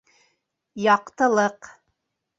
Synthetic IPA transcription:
jɑqt̪ɤ̆lˠɤq

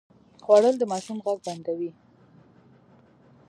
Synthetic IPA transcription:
xwɑɽəld̪əmɑʃumɣaɡ̚band̪awi

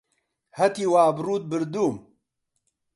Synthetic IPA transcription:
hɐt̪iːwaːbɾuːt̪̚bɨɾd̪uːm

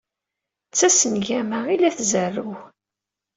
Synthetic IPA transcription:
t͡sːæsənʝæməʁilæθzərːuw

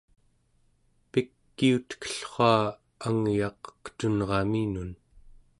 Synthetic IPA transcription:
pikːiut̪kə̥ɬχʷɑː | aŋjɑqqə̥t̪unʁɑminun

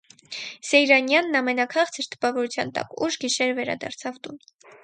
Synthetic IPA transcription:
sɛjɾɑnjɑnːɑmɛnɑkʰɑʁt͡sʰəɾt̪ə̥pɑvɔɾut͡sʰjɑ̰nt̪ɑ̰kuʃɡiʃɛɾəvɛɾɑ̰d̪ɑ̰ɾt͡sʰɑvt̪un

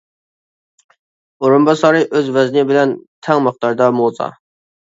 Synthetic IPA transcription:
oɾumbɑsɑɾɨʔøzvɛznɪbɪlɛnt̪ʰɛŋməχt̪ɑɾd̪ɑmozɑ̰

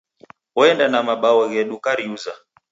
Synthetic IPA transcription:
ɔɛndanamaɓawɔɣɛɗukaɾiuza

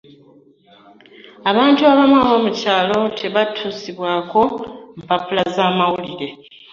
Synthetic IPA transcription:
aβaːntuaβamwaβo̞ːmucaːlo̞tʰe̞βatʰuːsiβwaːko̞m̩papulazaːmawuliɾe̞

